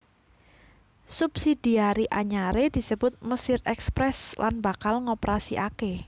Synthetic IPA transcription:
sub̥sid̥iaɾiʔaɲaɾed̪̥i̤səb̥ʊt̪̚məsɪrɛkspɾɛslanbakalŋopəɾasiʔake

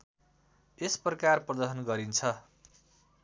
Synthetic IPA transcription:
esprʌkarprʌd̪ʌɦʌnɡʌɾint͡sʰʌ

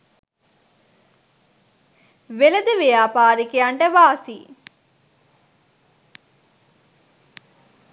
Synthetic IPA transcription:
ʋeləd̪əʋejaːpaːɾikeaɳʈəʋaːsi

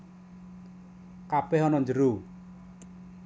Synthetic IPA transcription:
kapɛɦɔnɔnd͡ʒəɾu

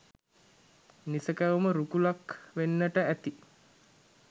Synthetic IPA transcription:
nisəkæʋuməɾukulakʋenːəʈəæt̪i

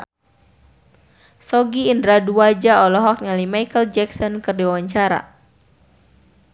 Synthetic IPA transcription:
sɔɡiːndɾaduad͡ʒaɔlɔɦɔk̚ŋalimajkəld͡ʒɛksɔnkɨrdiwawaɲt͡ʃaɾa̰

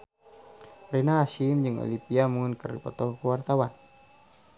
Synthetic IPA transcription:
rɛnaɦaʃimd͡ʒɨŋɔ̰lipiamuŋinkərdipɔt̪ɔkəwart̪awan

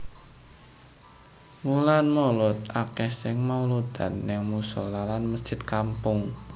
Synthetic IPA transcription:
mulanmolʊt̪̚akɛsɪŋmaulud̪a̰nːɪŋmusɔlalanməsd͡ʒ̥ɪt̪̚kampʊŋ

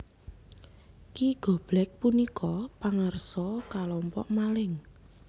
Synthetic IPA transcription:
kiɡ̥ɔ̤b̥lɛk̚punikʰɔpaŋərsɔkalɔmpɔ̰ʔmalɪŋ

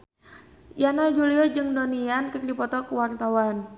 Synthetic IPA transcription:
janad͡ʒuliɔd͡ʒɨŋdoniankɨrdipɔt̪ɔkəwart̪awan

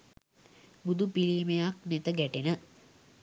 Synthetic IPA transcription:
bud̪ʱupiliːmejak̚net̪əɡæʈenə

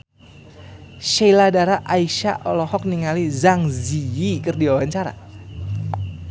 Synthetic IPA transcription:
ʃejladaɾaʔaiʃa̰ʔɔlɔhɔk̚niŋalizaŋziikərdiwawaɲt͡ʃaɾa̰

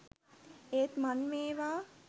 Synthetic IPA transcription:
eːt̪manʋeːʋaː

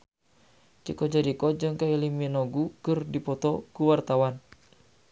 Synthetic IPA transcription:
t͡ʃikɔd͡ʒaɾikɔd͡ʒɨŋkailiminɔɡukɨrdipɔt̪ɔkuwart̪awan

